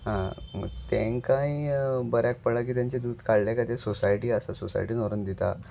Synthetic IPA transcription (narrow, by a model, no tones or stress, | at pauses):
ɦãət̪ẽŋkãibəɾjak̚pəɭak̬iːt̪jaɲt͡ɕed̪uːd̪kaɽlɛkat̪ẽsosajʈiːəsasosa̰jʈiːnoɾənd̪it̪a̰